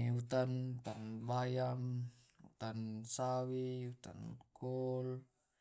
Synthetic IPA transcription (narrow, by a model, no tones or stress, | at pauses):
ut̪ant̪anbajam | ṵt̪ansawiut̪a̰nkul